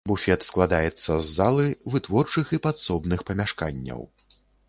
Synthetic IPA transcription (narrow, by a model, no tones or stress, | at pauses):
bufʲɛt̪sklˠad̪ajɛt̪sːɐzːalˠɨvɨt̪vɔrt͡ʂɨxipat̪sɔbnɨxpɐmʲaʂkanʲːɐ̰w